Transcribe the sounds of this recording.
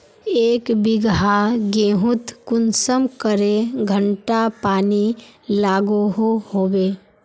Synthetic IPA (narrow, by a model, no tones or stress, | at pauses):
eːkbɪɡɦaɡeːɦʊt̪kʊnsəmkəɾeɡʱə̃ɳʈapaːnilaːɡoɦoɦoːweː